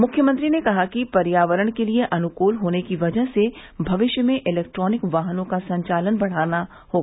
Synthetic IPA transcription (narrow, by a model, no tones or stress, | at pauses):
mʊkʰjəmə̃ɐ̃nt̪ɾinekɐɦakipɐɾjaːʋəɾəɽ̃kelieʔɐnʊkoːlɦoːnekiʋɐd͡ʒəɦsebʱɐʋɪʃjəmẽʔɪlɛːk̚ʈɾɔːnɪkʋaːɦnõkasɐ̃ɲt͡ʃaːlənbɐɽ̤aːna | hoːɡa